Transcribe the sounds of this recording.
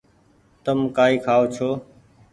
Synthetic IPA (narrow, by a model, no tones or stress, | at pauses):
t̪əmkaːiːkʰaːoːt͡ʃʰoː